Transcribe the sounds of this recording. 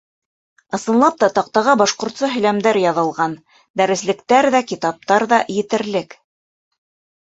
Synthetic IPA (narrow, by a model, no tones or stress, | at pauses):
ɤ̆sɤ̆nlˠɑp̚t̪ɑt̪ɑq̚t̪ɑʁɤbɑʃqŏɾt̪sɤɦɵ̆læmd̪æɾjɑðɤ̆lˠʁɑn | d̪æɾɘ̆slɘ̆kt̪æɾðækit̪ɑp̚t̪ɑɾðɑjɘ̆t̪ɘ̆ɾlɘk